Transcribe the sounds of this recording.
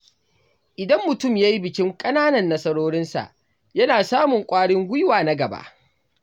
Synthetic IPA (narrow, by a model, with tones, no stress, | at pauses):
ʔɪ˨dɐ˦mːʊ˨tʊ˦˨mjaː˦ji˦bɪ˨kʲɪ˦ŋkʼɐ˦naː˦nɐ˨nːɐ˦sɐ˦ɽoː˦ɽɪ˦nsa̰˨ʔ | jɐ˦naː˨saː˦mʊ˨ŋkʷʼaː˦ɽɪ˦ŋɡʷʊ˦jwaː˨na˦ɡɐ˨ba̰˦ʔ